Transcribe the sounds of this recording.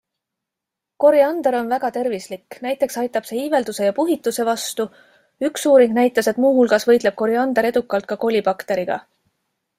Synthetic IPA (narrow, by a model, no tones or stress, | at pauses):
ko̞ɾiɑnd̪̥eɾo̞nvæɡɑt̪e̞rvislikːnæjt̪ːˑe̞ksɑjt̪ːˑɑb̥se̞ive̞ld̪use̞jɑpuɦit̪ːˑuse̞vɑst̪u | yksuːɾiŋɡnæjt̪ːˑɑse̞t̪muːɦulɡ̥ɑsvɤjd̪le̞b̥̚ko̞ɾiɑnd̪eɾe̞d̪ukːˑɑlt̪̚kɑko̞lʲipɑkt̪e̞ɾiɡ̥ɑ̰